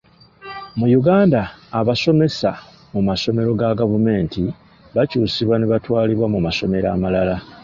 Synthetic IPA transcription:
mujuɡaːndaːβaso̞me̞sa | mumaso̞me̞ɾo̞ɡaɡavume̞ːnti | βacuːsiβwaneβatwaːliβwamumaso̞me̞ɾa̰ːmalala

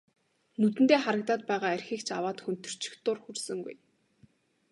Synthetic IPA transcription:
nɵt̪ɘ̆nt̪eːχaɾə̆k̚t̪aːt̪̚pæːʁaːærʲxiːkt͡ɕʰa̰waːt̪xɵn̥t̪ɵ̥̆r̥t͡ɕʰɪ̥̆xt̪ʊrxursɵ̆ŋɡṵj

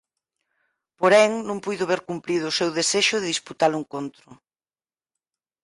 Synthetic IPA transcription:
poɾɛŋnũŋpujðʊβeɾkumpɾiðʊːsewðeseʃʊðɪðisput̪alʊeŋkont̪ɾʊ

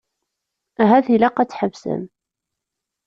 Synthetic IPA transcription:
æɦæðilæqɑt͡sːħəvsə̰m

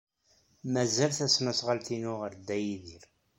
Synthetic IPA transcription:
mæzælθæsmæsʁalt̪inʊʁəɾd̪ːæjiðiɾ

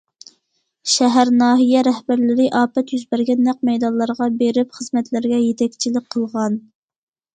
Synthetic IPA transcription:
ʃɛɦæɾnɑːɦijɛɾɛhbæɾlɪɾɪʔɑːpɛt̪jyzbæɾɡʲɛnːæq̚mɛjd̪ɑnlˠɑɾʁɑbeɾɪpχəzmɛt̪lɪɾɡʲɛjet̪ʰɛkʲt͡ʃʰilɪk̚ʲqʰəlˠʁɑn

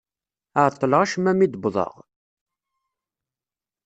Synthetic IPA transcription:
əʕt̪ˤːələʁaʃmæmid̪bðˤə̰ʁ

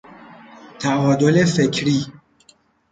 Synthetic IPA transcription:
t̪ʰæʔɒːd̪olefekʰɾiː

